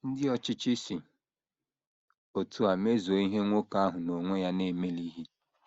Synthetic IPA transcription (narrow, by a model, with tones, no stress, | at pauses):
n̩˦dɪ˦ɔ˦t͡ʃɪ˦t͡ʃi˦si˨ | o˨tʰu˨a˨me˦zo˨i˦ɦe˦ŋʷo˦ka˦ɦʊ˨no˨ŋʷe˦ja˦ne˦˨me˦li˦ɦi˦